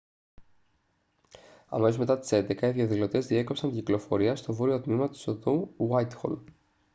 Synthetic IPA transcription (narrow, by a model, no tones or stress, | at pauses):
ɐ̰mozme̞t̪ɐt̪i̥se̞nd̪ekɐiðjɐðilo̞t̪e̞zðie̞kopsɐɲciklo̞fo̞̰ɾiɐst̪o̞voɾio̞t̪mimɐt̪i̥sot̪owajt̪xo̰l